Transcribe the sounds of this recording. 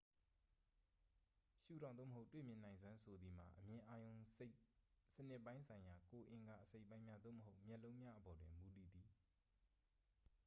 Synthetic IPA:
ʃṵ˦˨ɾã˨o̰˦˨məɦo˦ʊtwḛ˦˨mjɪ̃˨nã˨ɪ̃nzwã˦nsʰo˨d̪ði˨m̥a̰˨ʔəmjɪ̃˨ʔa˦jõ˨ʊ̃e˦sənɪ˦ʔpːã˦ɪ̃nsʰã˨ɪ̃ja˨ko˨ʔɪ̃˨ŋɡa̰˨ʔəse˦ɪpːã˦ɪ̃mja˦d̪o̰˦˨məɦo˦ʊʔmjɛ˦ʔlõ˦ʊ̃mja˦ʔəbɔ˨dwɪ̃˨mu˨t̪ḭ˦˨d̪i˨

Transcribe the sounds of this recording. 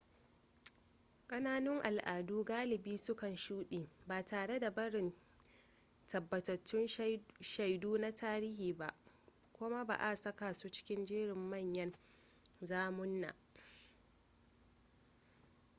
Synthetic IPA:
kʼɐ˦naː˦nʊ˦ŋʔa˨lʔaː˨duː˦ɡaː˦lɪ˨biː˦sʊ˦kɐ˨nʃuː˦ɗiː˨baː˨taː˨ɽe˦da˨bɐ˦ɽɪ˨n | tʰɐ˨bːɐ˨tɐ˨t͡ʃːɪ˦nʃa˨jduː˦na˦tʰaː˦ɾiː˦hiː˨ba˦˨ʔ | kʷʊ˦ma˦ba̰ː˨ʔa˦˨sɐ˦kaː˨suː˦t͡ʃɪ̥˦kʲɪ˦nd͡ʒiː˦ɽɪ˨mːɐ˦˨ɲjɐ˦n | zaː˦mʊ˦nːa̰ː˨

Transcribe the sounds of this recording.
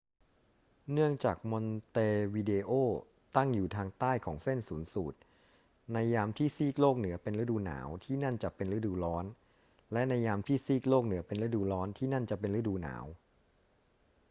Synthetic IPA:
nɯ˥˩əŋt͡ɕaː˨˩k̚mo˧nt̪eː˧wi˧deː˧ʔoː˥˩ | t̪a˥˩ŋjuː˨˩t̪ʰaː˧ŋt̪aː˥˩jkʰɔ̰ː˩˦ŋse˥˩nsuː˩˦nsuː˨˩t̪̚ | na˧jːaː˧mt̪ʰiː˥˩siː˥˩k̚oː˥˩k̚nɯ˩˦ɐpe˧nɾɯ˦˥duː˧na̰ː˩˦wt̪ʰiː˥˩na˥˩nt͡ɕa˨˩pe˧nɾɯ˦˥duː˧lɔː˦˥n | lɛ˦˥ʔna˧jːaː˧mt̪ʰiː˥˩siː˥˩k̚loː˥˩k̚nɯ˩˦ɐpe˧nɾɯ˦˥duː˧lɔː˦˥nt̪ʰiː˥˩na˥˩nt͡ɕa˨˩pe˧nɾɯ˦˥duː˧na̰ː˩˦w

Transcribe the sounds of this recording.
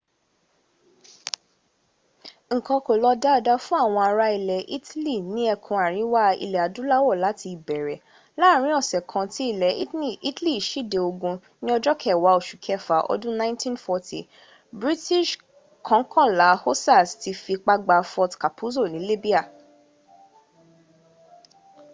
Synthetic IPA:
ŋ̩˨kɔ̃˧ko˨lɔ˧da˦˨da˧fũ˦a˦˨w̃ɔ̃˧a˧ɾa˧i˧lɛ˨ʔi˦tli˦˨nĩ˨˦ɛ˧kʰũ˧a˨ɾ̃ĩ˨˦wa˦ḭ˧lɛ˨a˨dũ˨˦la˦wɔ˦˨la˨˦ti˧i˨bɛ˨ɾɛ˨ | la˦˨ɾ̃ĩ˦ɔ˦˨sɛ˨kʰã˧ti˦i˦˨lɛ˨˦˨i˦tli˦˨ʃi˦de˨˧o˧ɡũ˧ | nĩ˦ɔ˧d͡ʒɔ˦kʰɛ˦˨wa˨˦o˨ʃu˨kʰɛ˦˨fa˨ʔɔ̰˧dũ˦nã˦ntĩ˦nfɔ˧tʰi˨ | bɾi˦ti˦˨ʃ | kʰɔ̃˨˦kʰɔ̃˦˨la˨˦ho˦sa˦˨sti˧fi˧k͡pa˧ɡ͡ba˧fɔ˧tka˨pʰu˦zo˦˨nĩ˨˦li˦bi˦a˦˨

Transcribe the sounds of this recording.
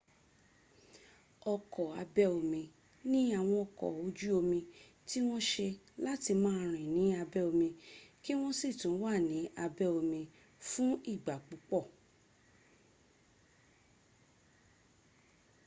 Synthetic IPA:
ɔ˧kʰɔ˨a˧bɛ˦o˧mĩ˧ | nĩ˦a˦˨w̃ɔ̃˧ɔ˧˨kɔ̰˨o˧d͡ʒu˦o˧mĩ˧ | ti˦w̃ɔ̃˦ʃe˧ | la˦ti˧mãː˦ɾ̃ĩ˨nĩ˨˦a˧bɛ˦o˧mĩ˧ki˦w̃ɔ̃˦si˦˨tũ˨˦wa˦˨nĩ˨˦a˧bɛ˦o˧mĩ˧ | fũ˦i˦˨ɡ͡ba˨k͡pu˨˦k͡pɔ˦˨

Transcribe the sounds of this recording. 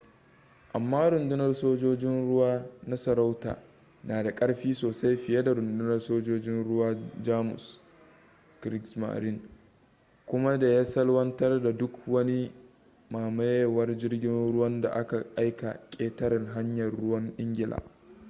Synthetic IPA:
ʔa˨mːaː˦ɾʊ˨ndʊ˦nɐ˦rsoː˦d͡ʒoː˦d͡ʒɪ˦nɽʊ˦waː˦na˦sɐ˨ɾa˦wta̰ː˨ | naː˨da˨kʼɐ˦ɽɸiː˦soː˨sa˦jɸɪ˨je˦da˨ɾʊ˨ndʊ˦nɐ˦rsoː˦d͡ʒoː˦d͡ʒɪ˦nɽʊ˦waː˦d͡ʒaː˦mʊ̰˨s | kɾɪ˦ksma̰˨ɾɪ˦ŋ | kʷʊ˦ma˦da˨jaː˦sɐ˦lwɐ˦ntɐ˦rda˨dʊ˦kwɐ˦ni˦ | maː˨ma˦jwɐ˦rd͡ʒɪ˦rɡʲɪ˦nɽʊ˦wɐ˦nda̰˨ʔa˦ka˨ʔa˦jka̰˨kʲʼeː˦tɐ˦ɾɪ˨ŋɦa˦ɲjɐ˨rːʊ˦wɐ˦ŋʔɪ˦ŋɡʲɪ˨lʔa̰ː˨

